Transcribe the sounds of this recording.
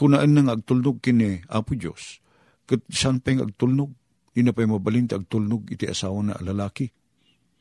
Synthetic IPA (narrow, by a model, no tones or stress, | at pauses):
kʊnaʔanːaŋaɐɡ̚t̪ulnʊɡ̚kɪniʔapʊd͡ʒo̰s | kɨt̪̚sanpajŋʔɐ̰ɡ̚t̪ulnʊɡ̚ | d̪inapajmabalint̪aʔaɡ̚t̪ulnʊɡɪt̪iʔa̰saːwana̰lalaːki